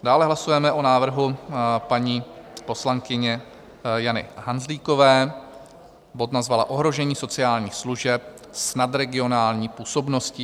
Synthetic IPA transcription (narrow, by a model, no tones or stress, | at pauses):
daːlɛɦlasujɛmɛʔonaːvr̩ɦupaɲiːpo̞slaŋkɪɲɛ | janɪ̰ɦanzliːko̞vɛː | bot̪nazvalaʔo̞ɦɾo̞ʒɛɲiːso̞t͡sɪaːlɲiːxsluʒɛp̚ | snad̪ɾɛɡɪo̞naːlɲiːpuːso̞bno̞scɪ